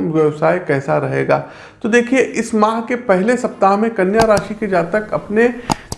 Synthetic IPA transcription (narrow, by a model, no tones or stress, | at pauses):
wɐwsaːekɛːsaɾɐɦḛːɡaː | t̪od̪eːkʰieʔɪsmaːɦkepɛɦlesɐp̚t̪aːɦmẽkɐnjaɾaːʃiked͡ʒaːt̪ɐkɐpne